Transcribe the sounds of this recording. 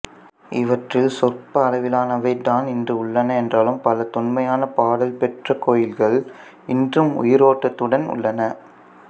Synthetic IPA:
ɪʋɐʈrɪlsɔrpɐːlɐʋɪlaːnɐʋɐɪd̪aːnɪndrɯʊɭːɐnɐɛndraːlɯmpɐlɐt̪ʊnmɐjaːnɐpaːɽɐlpɛʈrɐkoːjɪlɣɐɭ | ɪndrɯmʊ̰jɪɾoːʈːɐt̪ːɯɽɐnʊ̰ɭːɐnɐ

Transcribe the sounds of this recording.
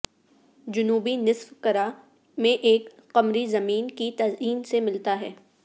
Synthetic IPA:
d͡ʒʊnuːbinɪsfkɐɾa | mẽʔeːk | qɐmɾizɐmiːnkit̪ɐziːnsemɪlt̪aɦɛː

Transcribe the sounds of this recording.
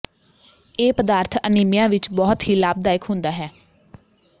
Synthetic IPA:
eːpəd̪aːɾt̪ʰəniːmɪjãːʋɪt͡ʃbɔːt̪ɦiːlaːb̚d̪aːɪkɦʊ̃nd̪aːɦɛː

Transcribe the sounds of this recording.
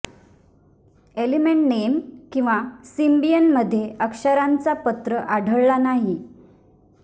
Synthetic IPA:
elimeɳʈnemkĩw̃ʋasimbijənməd̪ʱːjeəkʂəɾant͡sapət̪ɾəʔaɽʱəɭlanaɦi

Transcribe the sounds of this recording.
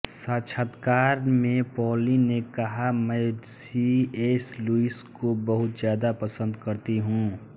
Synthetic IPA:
sət͡ʃʰət̪kaːɾmẽpɔːlinekɐɦamə̃ɪsieːsluiskobəɦʊt̪zjaːd̪apəsə̃nd̪kəɾt̪iɦũ

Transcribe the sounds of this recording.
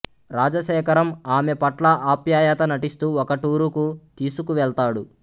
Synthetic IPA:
ɾaːd͡ʒɐʃɛːkɐɾɐmaːmepɐʈlɐʔaːpjaːjɐt̪ɐnɐʈist̪uːɔkɐʈuːɾukut̪iːsukuʋɛɭt̪aːɽu

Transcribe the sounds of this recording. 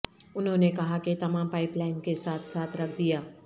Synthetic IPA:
ʊnɦõnekɐɦaket̪ɐmãːmpaːɪplaɪnkesaːt̪ʰsaːt̪ʰɾɐkʰd̪ijaː

